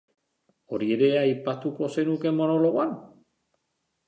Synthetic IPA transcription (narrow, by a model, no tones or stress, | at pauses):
o̞ɾie̞ɾe̞aajpat̪uko̞senuke̞mo̞no̞lo̞ɣan